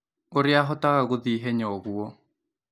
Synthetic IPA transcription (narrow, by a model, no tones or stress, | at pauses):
oɾɪaɦɔtaɣaɣoðiɦɛɲɔɣuɔ